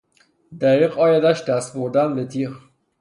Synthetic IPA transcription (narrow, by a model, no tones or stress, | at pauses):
d̪æʁiːqɒːjæd̪æʃd̪æst̪boɾd̪ænbet̪ʰiχ